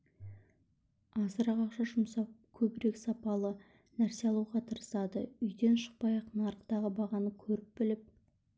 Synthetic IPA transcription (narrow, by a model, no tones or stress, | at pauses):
ɑsəɾɑqɑqʃɑʒʊmsɑp̚kʲʰɵbɪɾe̞ksɑpɑlˠə | næɾseɑlˠuwʁɑt̪ʰəɾəsɑd̪ə̰ʏjd̪e̞nʃə̥q̚pɑjɑqnɑɾəqt̪ɑʁəbɑʁɑnəkʲʰɵɾɪp̚bɪlɪp̚